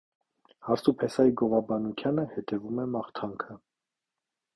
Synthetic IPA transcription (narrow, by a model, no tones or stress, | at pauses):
hɑɾt͡s̪upʰɛsɑjiɡɔvɑbɑnuk̪ʰjɑnəhɛt̪ɛvumɛmɑχt̪ʰɑŋkʰə